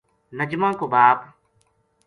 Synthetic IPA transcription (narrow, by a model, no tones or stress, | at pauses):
nəd͡ʒmãːkoːbaːp